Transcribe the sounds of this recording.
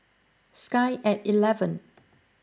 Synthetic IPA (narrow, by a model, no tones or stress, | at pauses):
skaɪʔɛtilɛvə̃n